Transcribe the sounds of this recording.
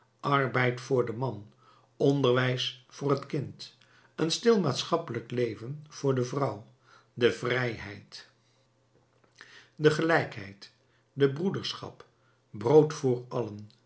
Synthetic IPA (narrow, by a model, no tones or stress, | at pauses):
ʔɑrbɛjtfʊːɹdəmɑn | ɔndəɹʋɛjsfʊːrɦətkɪnt | ənstɪlˠmaːtsχɑpələklejvənv̥ʊːɹdəvrʌw | dəvrɛjɦɛ̰jt | dəχəlɛjkɦɛ̰jt | dəbrudəɹsχɑ̰p | browtfʊːɹɑlən